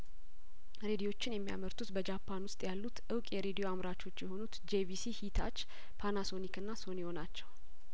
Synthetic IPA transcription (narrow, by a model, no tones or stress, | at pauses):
ɾe̞d̪ijo̞t͡ʃːɪnjɛmːija̰məɾt̪ʰut̪bəd͡ʒapʰːanwʊst̪ʼjalːut̪ʔɨwkʼjɛɾe̞d̪ijo̞amɾat͡ʃo̞t͡ʃːjɛho̞nut̪d͡ʒevisihit̪ʰa̰t͡ʃː | pʰanaso̞nikɨnːaso̞nɛho̞nat͡ʃːɛw